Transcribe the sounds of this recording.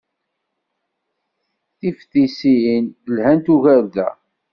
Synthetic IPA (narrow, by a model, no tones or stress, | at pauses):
θifθisinlhænt̪uʝæɾðæ̰